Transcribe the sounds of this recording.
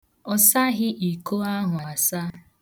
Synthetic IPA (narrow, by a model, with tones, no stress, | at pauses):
ɔ˨sa˦ɣɪ˦ʔi˨ko˦a˦ɦʊ˨a˨sa˦